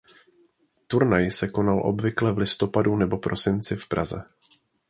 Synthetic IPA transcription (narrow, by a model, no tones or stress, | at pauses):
t̪uɾnajsɛko̞nalʔo̞̰bvɪklɛvlɪst̪o̞padunɛbo̞pɾʔo̞sɪnt͡sɪfpɾa̰zɛ̰